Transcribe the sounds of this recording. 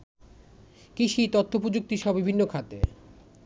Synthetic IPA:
kiʃit̪ot̪ʰːop̬ɾod͡ʑuk̚t̪iʃɔbibʱinːokʰat̪ḛ

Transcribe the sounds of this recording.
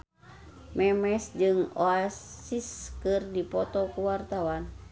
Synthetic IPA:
mɛmɛsd͡ʒɨŋoasiskɨrdipɔt̪ɔkuwart̪awan

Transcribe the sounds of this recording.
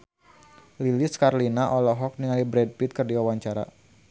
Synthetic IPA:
liliskaɾlinaʔɔlɔɦɔk̚niŋalibɾɛd̚pit̪̚kərdiwawaɲt͡ʃaɾa̰

